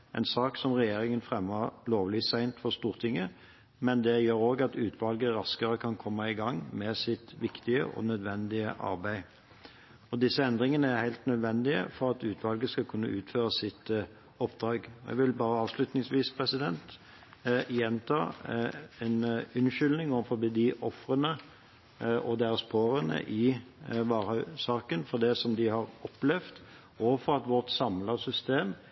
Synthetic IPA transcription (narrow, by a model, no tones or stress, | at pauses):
ʔɛ̰ɪnsɑːksɔmʁɛjeːɾɪŋənfʁɛmːəʁloːʋliːsæɪnt̪fɔʁst̪uːʁt̪ʰɪŋːə | mɛnd̪ɛjøːɾoːɡɑt̪ʉːt̪ʰʋɑlɡəɾɑskəɾəkʰɑnkʰɔmːəɪɡɑŋːmɛsɪt̪ʋɪkt̪ɪə̰ʔɔ̰nœd̪ʋɛnd̪ɪəʔɑ̰ʁbæɪ | ɔd̪ɪsːəɛnd̪ʁɪŋənəæʁhæɪlt̪nœd̪ʋɛnd̪ɪə̰fɔʁɑt̪ʉːt̪ʰʋɑlɡəskɑlkʰʉnːə̰ʔʉːt̪føːʁəsɪt̪ | ɔpːd̪ɾɑːɡɔjɛ̰ɡʋɪlbɑːɾəɑːʋʂlʉt̪nɪŋsʋiːspʰʁɛsɪd̪ɛnt̪ | ɪjɛnt̪ʰɑ̰ː | ɛnʉnʃʏlnɪŋoːʋəfɔbɪd̪ɪʔɔfɾənə | ʔɔd̪ɛæːʁspʰoːɾənə̰ʔɪʋɑːʁœsɑːkənfɔʁd̪ɛsɔmd̪ɪhɑɾɔplɛʋt̪ | oːʋəfɔɾɑt̪ʋɔʁt̪sɑmləsʏst̪eːm